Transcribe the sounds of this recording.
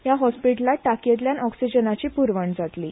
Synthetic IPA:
jaɦɔspiʈlaʈakjet̪ljanɔksid͡ʑənat͡ɕiːpuɾʋəɳd͡zat̪li

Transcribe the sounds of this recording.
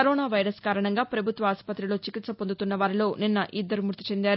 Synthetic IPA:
kɐɾɔːnaːʋɐjɾɐskaːɾɐɳɐŋɡaːpɾɐbʱut̪ʋɐaːspɐt̪ɾilo̞ːt͡ʃikit̪sɐpo̞nd̪ut̪unːɐʋaːɾilo̞ːninːɐʔid̪ːɐɾumuɾt̪it͡ʃe̞nd̪aːɾu

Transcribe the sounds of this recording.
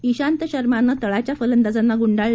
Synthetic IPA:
iɕant̪əɕəɾmanːat̪əɭat͡ɕjafələnd̪ad͡zanːaɡuɳɖaɭ

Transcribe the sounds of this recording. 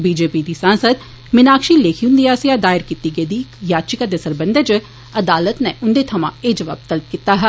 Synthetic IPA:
biːd͡ʒeːpid̪isãːnsəd̪ | mɪnaːkʃileːkʰijʊ̃nd̪ijaːsijad̪aːɪɾkit̪ːiɡed̪ikjaːd̪t͡ʃikad̪esɐɾbɐ̃nd̪əd͡ʒ | ɐd̪aːlət̪nɛʔʊ̃nd̪et̪ʰɐmã̰eːd͡ʒɐʋa̰ːb̚t̪ɐlp̚kit̪ːaɦɛ

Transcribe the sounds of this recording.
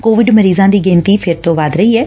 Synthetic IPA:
koːʋɪɖməɾiːzãːd̪iːɡẽːnt̪iːpʰɪɾt̪õːʋaːd̪ɾəiːɛː

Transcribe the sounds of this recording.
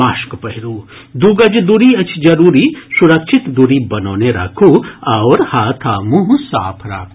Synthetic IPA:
aːʃkpɐɦiɾuː | d̪uːɡɐd͡ʒd̪uɾiɐt͡ʃʰd͡ʒɐɾuːɾisuɾɐkʃʰɪt̪d̪uɾibɐnoːneɾa̰ːkʰuɐːɾhaːt̪ʰaːmuɦsa̰ːpʰɾa̰ːkʰː

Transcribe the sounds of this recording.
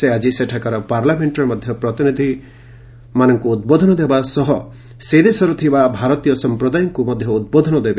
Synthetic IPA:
sead͡ʒiseʈʰakaɾɔpaɾlameɳʈɔɾmɔd̪ʱjɔpɾɔt̪inid̪ʱi | manɔŋkuːd̪̚bod̪ʱɔnɔd̪ebasɔɦɔ | sed̪esɔɾɔt̪ʰibabʱaɾɔt̪ijɔsɔmpɾɔd̪ajɔŋkumɔd̪ʱjɔud̪̚bod̪ʱɔnɔd̪ebe

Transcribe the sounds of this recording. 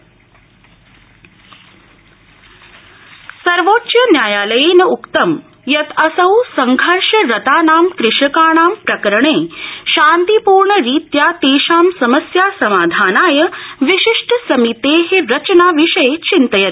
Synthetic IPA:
sɐɾʋoːtːt͡ʃɐnjaːjaːlɐjeːnɐukt̪ɐm | jɐt̪ʰɐsɐwsɐŋɡʱɐɾʂɐɾɐt̪aːnaːmkɾɪʂɐkaːɳaːmpɾɐkəɾɳeːʃãːnt̪ipuːɾɳəɾiːt̪jaːt̪eːʃaːmsɐməsjaːsɐmaːd̪ʱaːnaːjɐʋiʃiʂʈəsɐmit̪eːɦeɾɐt͡ʃnaːʋiʂɐjet͡ɕint̪ɐjɐt̪

